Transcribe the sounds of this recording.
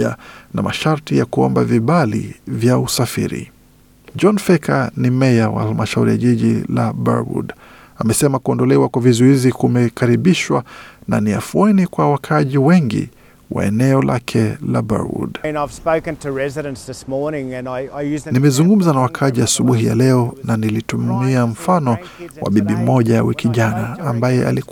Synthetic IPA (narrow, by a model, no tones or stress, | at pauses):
a̰na̰maʃaɾtijakuɔ̰mbaviɓalḭvjausafḭɾḭ | d͡ʒɔnfɛkʰanimɛjawa̰halmaʃauɾija̰ʄiʄilaba̰ɾwṵd | amɛsɛmakuɔndɔlɛwakwavizuizikumɛkaɾiɓiʃwana̰nia̰fuɛnikwawakʰaʄiwɛŋɡḭ | wʔa̰ɛ̰nɛɔla̰kʰɛlaba̰ṵdnaɪv̥spoʊkɨ̃ntʰɨɹɛzɪɾɨ̃nsðɪsmɔɹnɪ̃ŋɨ̃naɪɪjʉznimɛzuŋɡum̩zanawakʰaʄiasuɓuɦija̰lɛɔnanilitumiam̩fanɔ | wa̰ɓiɓimɔʄaja̰wikiʄanaːmbajɛʔa̰li